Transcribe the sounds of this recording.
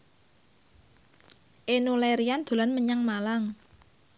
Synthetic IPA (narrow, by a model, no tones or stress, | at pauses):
ʔenuleɾiand̪̥o̤lanməɲaŋmalaŋ